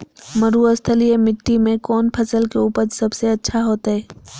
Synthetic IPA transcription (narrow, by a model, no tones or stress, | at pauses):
məɾuəst̪ʰəliemɪʈ̪ːimẽkɔːnpʰɐsəlkeuːpəɾsɐbseɐtːʃʰaɦoːt̪aɦɛː